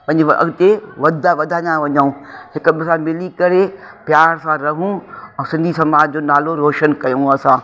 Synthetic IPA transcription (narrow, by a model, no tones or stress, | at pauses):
pɐ̃ɪ̃ɲd͡ʑʔɐ̰ɡt̪eʋɐd̪ʱaʋɐd̪ʱanãʋɐɲaũhɪk̆bɪsãmɪlikɐɾepjaːɾsãɾɐɦũɛ̃ːsɪ̃nd̪ʱisɐmaːd͡ʑd͡ʑoːnaːloɾoːʃənkɐjõɐsãː